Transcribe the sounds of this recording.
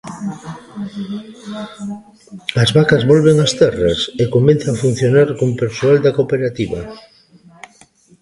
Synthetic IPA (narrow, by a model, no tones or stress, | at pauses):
ɐzβakɐzβolβeŋast̪ɛrɐsekomẽnθaŋafun̟θjonaɾkompeɾsoald̪akopeɾat̪iβɐ̰